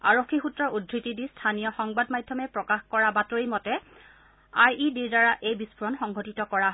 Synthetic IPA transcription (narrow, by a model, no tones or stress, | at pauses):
a̰ɹokʰːixutɹɔɹudʱɹitidistʰanijɔxɔŋbadmajdʱːɔmɛpɹɔkaxkɔɹabatoɹimɔtɛ | ajidiɹdaɹaʔejbisbʰuɹɔnxɔŋɡɔtitɔkɔɹaɦ